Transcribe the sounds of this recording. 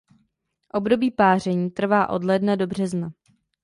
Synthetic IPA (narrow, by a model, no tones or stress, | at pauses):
ʔo̞bdo̞biːpaːr̝ɛɲiːt̪r̩vaːʔo̞dlɛːdnado̞br̝ɛzna